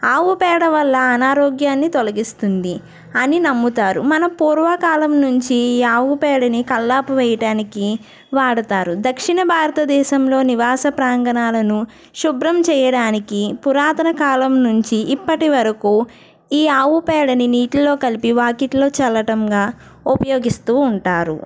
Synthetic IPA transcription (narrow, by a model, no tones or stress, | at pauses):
aːʋupɛːɽɐʋɐlːɐːnaːɾoːɡjaːnːit̪olɐɡist̪und̪i | ɐninɐmːut̪aːɾumɐnɐpuːɾʋɐkaːlɐmnuɲt͡ʃiːaːʋupɛːɽɐnikɐlːaːpuʋɛjɐʈaːniki | ʋaːɽut̪aːɾud̪ɐkʂiɳɐbʱaːɾɐt̪ɐd̪ɛːʃɐmlo̞ːniʋaːsɐpɾaːŋɡɐnaːlɐnu | ʃubɾɐmt͡ʃɛːjɐɽaːnikipuɾaːt̪ɐnɐkaːlɐmnuɲt͡ʃiʔːpːɐʈiʋɐɾɐkuː | iːaːʋupɛːɽɐniniːʈlɐlo̞ːkɐlipiʋaːkiʈlo̞ːt͡ʃɛlːɐʈɐŋɡaː | upɐjoːɡist̪uːɳʈaːɾṵ